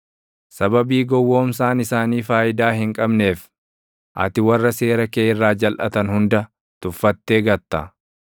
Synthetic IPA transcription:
sɐbɐbiːɡɔwːo̞ːmsaːnɪsaːniːfaːjɪd̪aːhɪŋkʼɐbne̞ːf | ʔɐ̰t̪ɪwɐrːɐse̞ːɾɐkeːɪrːaːd͡ʒɐlʔɐ̰t̪ɐnhʊnd̪ɐ | t̪ʊfːɐt̪ːe̞ːɡɐt̪ːɐ̰

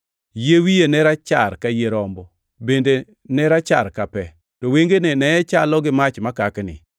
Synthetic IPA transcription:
jewijenɛɾat͡ʃa̰ɾkajeɾɔmbɔ | bende | nɛɾat͡ʃa̰ɾkapɛ | tɔweŋɡenenɛɛt͡ʃalɔɡɪmat͡ʃmakaknɪ̰

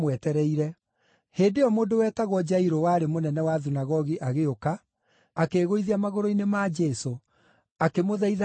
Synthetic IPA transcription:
mwɛtɛɾɛiɾɛ | heːndeɔmoːndowɛːtaɣwɔd͡ʒaiɾowaːɾemonɛnɛwaðunaɣɔɣiʔaɣeoka | akeɣoiðiamaɣoɾoinemad͡ʒɛso | akemoðaið

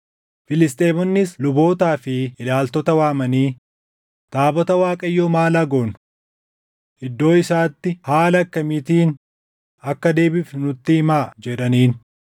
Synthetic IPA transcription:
fɪlɪst̪ʼe̞ːmɔnːɪslʊbo̞ːt̪aːfɪɪlaːlt̪ɔt̪ɐwaːmɐniː | t̪aːbɔt̪ɐwaːkʼɐjːoːmaːlaɡonʊ̥ | ʔɪd̪ːo̞ːɪsaːt̪ːɪhaːlɐkːɐmɪt̪iːn | ɐkːɐd̪e̞ːbɪfnʊt̪ːɪhɪmaːd͡ʒɛᶑɐniːn

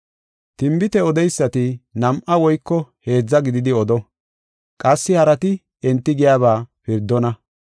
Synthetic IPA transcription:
t̪ɪmbɪt̪ɛɔd̪ɛjsːɐt̪ɪnɐmʔɐwɔjkːɔhe̞ːd͡zːɐɡɪd̪ɪd̪ɪɔd̪ɔ | kʼɐsːɪhɐɾɐt̪ɪ | ɛnt̪ːɪɡɪjaːβaːpɪɾd̪ːɔnɐ

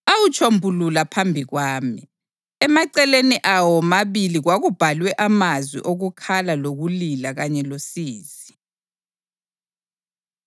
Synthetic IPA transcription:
awut͡ʃʼʰombʱululapʰambʱiɣwaːmi | ɛmaǀɛleniʔawɔmaβiliɣwaɣub̥ʱalwɛʔamazwḭʔoɣukʰalaloɣulilaɣaɲɛlosiːzi

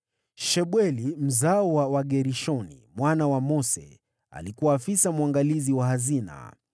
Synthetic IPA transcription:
ʃɛɓwɛlim̩zaɔwawaɠɛɾiʃɔnḭmwanawamɔsɛ̰ | a̰likuwaːfisamuaŋɡaliziwahazina̰

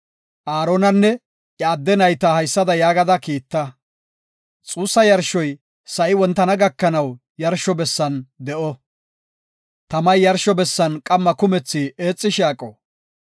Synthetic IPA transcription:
ʔaːɾonɐnːɛ | ʔːd̪ːɛnɐjt̪ahɐjsːɐd̪ɐjaːɡɐd̪ɐkiːt̪ːɐ | t͡sʼuːsːɐjɐɾʃɔj | sɐʔɪwɔnt̪ːɐnɐɡɐkːɐnɐw | jɐɾʃɔbɛsːɐnd̪ɛʔɔ | t̪ɐmɐjːɐɾʃɔbɛsːɐnkʼɐmːɐkʊmɛt͡sːieːt͡sʼːɪʃaːkʼɔ

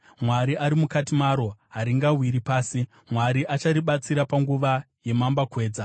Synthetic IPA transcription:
mwaɾiʔaɾimukatimaɾo̞ɦaɾiŋɡawiɾipaːsi | mwaɾiʔat͡ʃaɾiɓat͡siɾapaŋɡuʋa | je̞mambakwe̞ːd͡za

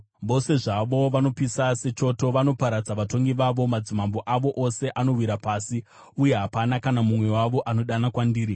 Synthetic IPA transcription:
ʋo̞se̞ʐaʋo̞ʋano̞pisase̞t͡ʃo̞to̞ʋano̞paɾad͡zaʋato̞ŋɡiʋaʋo̞mad͡zimambo̞ʔaʋo̞ʔose̞ʔano̞wiɾapasi | uje̞ɦapanakanamumwe̞waʋo̞ʔano̞ɗanakwandiːɾi

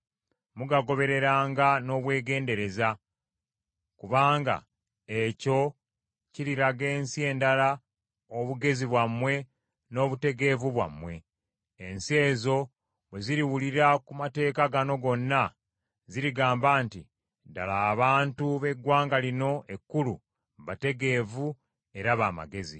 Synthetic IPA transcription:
muɡaɡo̞βe̞ɾe̞ɾaːŋɡano̞ːβwe̞ːɡe̞ːnde̞ɾe̞za | kuβaːŋɡa̰ | eco̞ | ciɾiɾaɡe̞ːnsie̞ːndala | oβuɡe̞ziβwamːwe̞ | no̞ːβute̞ɡe̞vuβwa̰mːwe̞̰ː | nsie̞ːzo̞ | βwe̞ziɾiwuliɾakumate̞ːkaɡano̞ɡo̞nːa | ziɾiɡaːmbaːnti | da̰laːβaːntuβe̞ɡwaːŋɡalino̞ʔe̞kːulṵ | βate̞ɡe̞ːvu | e̞ɾaβa̰ːma̰ɡe̞zḭ

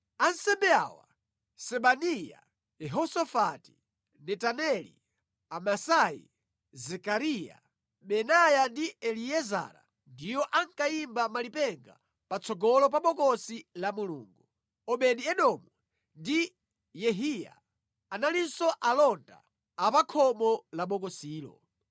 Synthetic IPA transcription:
ansɛmbɛa̰wa | sɛɓanija̰ | jɛɦɔsɔfati̥ | nɛtanɛlḭ | amasajḭ | zɛkaɾija̰ | ɓɛnajandiɛlijɛza̰ɾa̰ | ndijɔʔaŋkaimbamalipɛŋɡa | pat͡sʰɔɡɔlɔp̬aɓɔkɔsilamulṵːŋɡu | ɔɓɛɗiɛɗɔmu | ndi | jɛɦija̰ | analinsɔʔalɔnda̰ | apakʰɔmɔlaɓɔkɔsiːlɔ̰

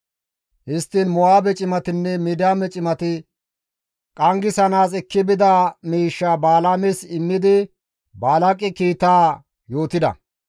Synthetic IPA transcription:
hɪst̪ːɪnmʊwaːbɛt͡ʃʼɪmɐt̪ɪnːɛmɪd̪aːmɛt͡ʃʼɪmɐt̪ɪ | kʼɐŋɡɪsɐnaːsɛkːɪbɪd̪amiːʃːabaːlamɛsɪmːɪd̪ɪ | baːlɐkʼːɪkiːt̪ːaː | jo̞ːt̪ɪd̪ɐ̰

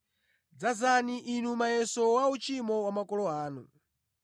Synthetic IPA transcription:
d͡zazaniʔinumajɛsɔwaut͡ʃimɔwamakɔlɔaːnu

